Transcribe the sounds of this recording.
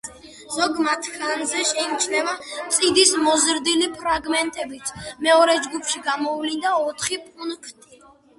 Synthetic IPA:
z̥ɔɡmat̪ʰkʰanzɛʃɛit͡ʃʰnɛvat̪sʼid̪ismɔzɾd̪ilipʰɾaɡmɛnt̪ʼɛbit̪sʰmɛɔɾɛd͡ʒɡupʰʃiɡamɔvlind̪aɔt̪ʰχipʼunkʰt̪ʰʼi

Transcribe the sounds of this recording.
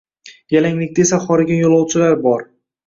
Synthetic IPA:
jalaŋlɪk̚ʲd̪aesaχɒɾɪɡʲanjolˠɒwt͡ʃʰɪlaɾbɒɾ

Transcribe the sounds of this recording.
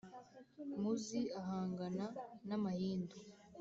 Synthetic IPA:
muziaɦaːŋɡananamahiːndo

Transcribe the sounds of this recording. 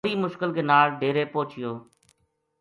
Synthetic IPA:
ɾiːmʊʃkɪlkʰeːnaːlɖeːɾeːpoːt͡ʃɪjoː

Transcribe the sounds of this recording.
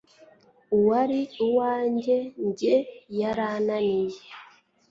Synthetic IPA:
uwaɾiuwaːɲɟeɲɟejaɾaːnanije

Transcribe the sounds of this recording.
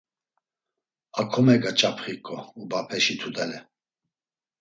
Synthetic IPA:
akʰɔmɛɡat͡ʃʼapʰχikʼɔubapʰɛʃit̪ʰud̪ɛlɛ

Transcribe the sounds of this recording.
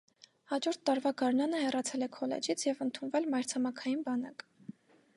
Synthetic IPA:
hɑd͡ʒɔɾt̪ʰːɑɾvɑɡɑɾnɑnəhɛrɑt͡sʰɛlɛkʰɔlɛ̰d͡ʒit͡sʰjɛvənt̪ʰunvɛlmɑjɾt͡sʰɑmɑkʰɑjinbɑnɑk

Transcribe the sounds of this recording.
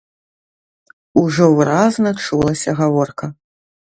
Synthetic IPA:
uʐɔvɨɾaznɐt͡ʂulˠɐsʲɐɣavɔrkɐ

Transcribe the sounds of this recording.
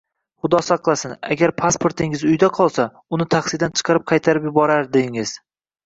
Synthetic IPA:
χʊd̪ɒsaqlˠasɪna̰ɡʲaɾpʰaspʰoɾt̪ʰɪŋɪzʊjd̪aqʰɒlˠsa | ʊnɪt̪ʰaχsɪd̪ant͡ʃʰɨ̥qʰɑɾɪp̚qʰɑjt̪ʰaɾɪpjʊbɒɾaɾd̪eɪŋɪz̥

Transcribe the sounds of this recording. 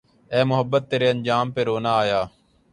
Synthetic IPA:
ɛːmʊɦəbːət̪ːeːɾeːənd͡ʒaːmpeːɾoːnaːaːjaː

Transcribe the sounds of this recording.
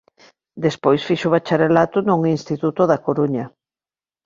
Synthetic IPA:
d̪espojsfiʃʊβat͡ʃaɾelat̪ʊnuŋinst̪it̪ut̪ʊðakoɾuɲɐ

